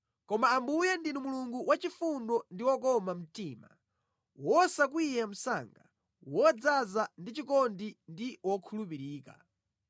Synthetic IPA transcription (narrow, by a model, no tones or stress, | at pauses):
kɔmaːmbujɛndinumuluŋɡuwʔat͡ʃifundɔndiwɔkɔmam̩tiːma̰ | wɔsak̬wijam̩sa̰ŋɡa̰ | wɔd͡zazandit͡ʃikɔndindiwɔkʰulupiɾiːka̰